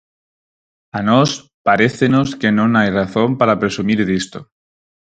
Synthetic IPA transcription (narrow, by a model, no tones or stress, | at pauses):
anos | paɾeθenoske̞nõnajraθompaɾapɾe̞sumiɾðist̪o